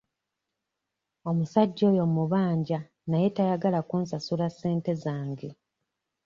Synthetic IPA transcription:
o̞musaɟːo̞ːjo̞muβaːɲɟa | naje̞tajaɡalakuːnsasulasːe̞ːnte̞zaːŋɡe̞

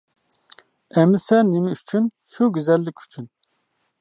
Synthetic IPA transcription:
ɛmɪsɛnɪmɪyt͡ʃʰyn | ʃuɡʲyzɛlːɪkʲʰy̥t͡ʃʰyn

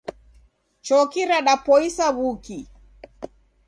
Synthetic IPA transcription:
t͡ʃɔkiɾaɗapɔisaβuki

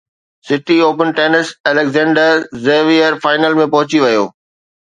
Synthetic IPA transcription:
sɪʈioːpənʈeːnɪsɛlekzɛ̃ːɳɖəɾzeːʋiəɾfaːɪnəlmẽpɐɦʊt͡ɕiʋɐjo̰ː

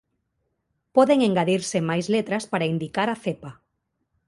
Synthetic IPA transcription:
pɔðeŋeŋɡaðiɾsemajzlet̪ɾaspaɾaind̪ikaɾaθepa

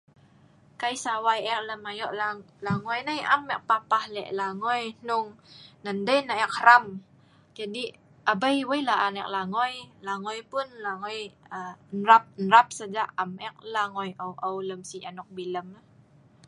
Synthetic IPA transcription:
kaisawajɛk̚ləmajɔʔla | laŋɔjnəjʔa̰mːɛʔ̚papahlɛ̰ʔlaŋɔjn̥ʊŋnəndəjnaɛk̚ɾam | d͡ʒadi | ʔabəjwəjlaʔanɛk̚laŋɔjlaŋɔjpʊnlaŋɔjənɾap̚nɾap̚səd͡ʒaʔamɛk̚laŋɔjʔəwʔəwləmsianɔk̚biləm

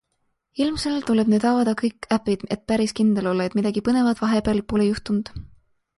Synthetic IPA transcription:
ilmse̞lt̪ule̞b̥neːd̪ɑwɑd̪̥ɑkɤjkˑːæpːid̪̥e̞t̪̚pæɾiskind̪̥e̞lo̞lːɑe̞t̪mid̪ɑɡ̥ipɤne̞vɑd̪̥vɑɦe̞peɑlpolejuht̪und̪̥

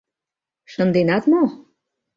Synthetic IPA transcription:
ʃə̆nd̪enɑt̪mo

